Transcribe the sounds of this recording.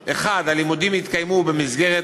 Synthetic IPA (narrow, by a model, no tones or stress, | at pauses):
ʔeχad̪alimudimhit̪kajmubemizɡe̞ʁe